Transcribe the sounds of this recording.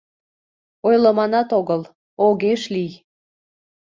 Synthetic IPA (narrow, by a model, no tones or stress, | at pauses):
ojləmɑnɑt̪oɣəl | oɣeʃlij